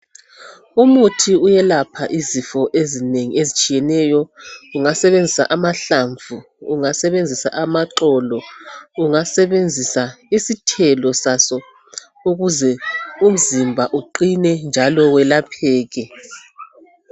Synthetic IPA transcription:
umutʰiujɛlapʰaʔizifɔʔezineŋḭezit͡ʃʼijɛnɛjɔuŋasɛβend͡zʱisa̰ʔamaɬaɱvʱuː | ŋasɛβend͡zʱisa̰ʔamaǁɔlɔuŋasɛβend͡zʱisaisitʰɛlɔsasɔ | uɣuzɛum̩zimbʱaʔuǃinɛnd͡ʒʱalɔwɛlapʰɛːɣɛ

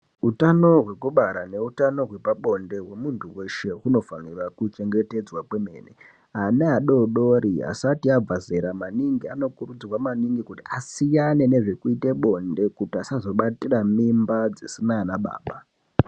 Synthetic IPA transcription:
ɦutano̞ɦwe̞kuɓaɾane̞utano̞ɦwe̞paɓo̞nde̞ɦwe̞muntʰuwe̞ʃe̞ɦuno̞fanirakut͡ʃe̞ŋɡe̞te̞d͡zwapwe̞me̞ːne | ɦaneɦaɗo̞ɗo̞ɾia̰satiab͡vazeɾamaniŋɡiano̞kurud͡zirwamaniŋɡikutiasijane̞ne̞ʐe̞kuiteɓo̞nde̞kutiasazo̞ɓatiramimbad͡zisinanaɓa̰ːɓa

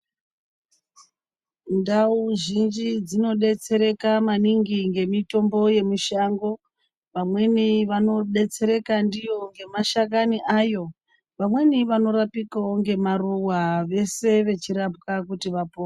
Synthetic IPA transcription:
ndauʒind͡ʒid͡zino̞ɗe̞t͡se̞ɾe̞kamaniŋɡiŋɡe̞mito̞mbo̞je̞miʃaŋɡo̞ | ʋamwe̞niʋano̞ɗe̞t͡se̞ɾe̞kandijo̞ŋɡe̞maʃakaniʔajo̞ | ʋamwe̞niʋano̞ɾapikaoŋɡe̞maruwaʋe̞se̞ʋe̞t͡ʃiɾap̚kakutiʋapoː

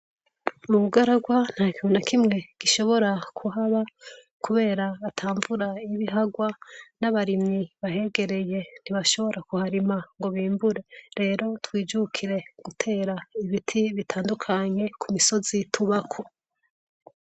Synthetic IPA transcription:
muβuɡaɾaɡwan̥haːkionakʰimŋe̞ɡ̥iʃo̞βo̞ɾakʰuɦaβa | kuβe̞ːɾaːtʰaːɱvuɾaiβiɦaɡwanaβaɾimɲiβaɦe̞ɡe̞ɾe̞je̞n̥iβaʃo̞βo̞ɾʔakuhaɾimaŋɡo̞βiːmbuɾe̞ɾe̞ːɾo̞twiːd͡ʒukʰiɾe̞ɡ̥utʰe̞ːɾaiβitʰiβitʰaːndukʰaɲe̞kʰumiso̞zitʰuβakʰo

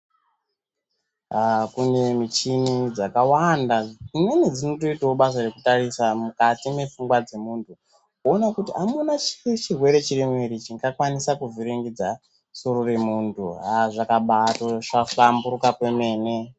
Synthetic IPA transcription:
akune̞mit͡ʃinid͡zakawandaine̞ned͡zino̞to̞itawoɓasarekutarisamukatime̞fuŋɡwad͡ze̞muːntʰu | onakutiamunat͡ʃit͡ʃirwe̞ɾe̞t͡ʃiremweɾit͡ʃiŋɡakwanisakuviɾiŋɡid͡za | so̞ɾore̞muːntʰuɦaʐakaɓatoʐafambuɾukakwe̞me̞ːne̞

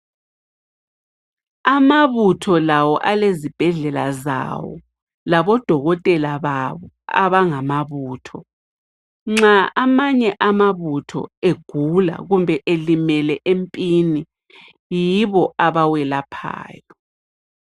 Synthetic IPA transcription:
amaβutʰɔlawɔʔalezib̥ʱɛɮɛlaza̰wɔ̰ | laβɔd̥ʱɔɣɔtʼɛlaβaβɔ | a̰βaŋamaβuːtʰɔ | ŋ͡ǁaamaɲɛʔamaβutʰɔ̰eɡ̥ʱula̰ɣumbʱɛʔelimɛlɛʔempʼini | jiβɔaβawɛlapʰa̰ːjɔ

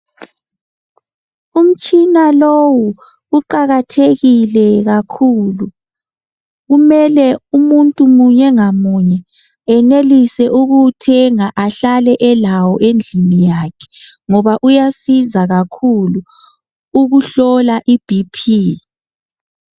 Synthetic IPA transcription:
um̩t͡ʃʼinalowuː | ǃaɣatʰeɣilɛɣakʰulu | ɣumɛlɛumuntʼumuɲɛŋamuɲɛ | ɛnelisɛʔuɣutʰɛŋaʔaɬalɛʔɛlawɔʔend͡ɮʱinijakʰɛ̥ŋɔβaʔujasizaɣakʰulu | uɣuɬɔlaʔib̥ʱipʰiː

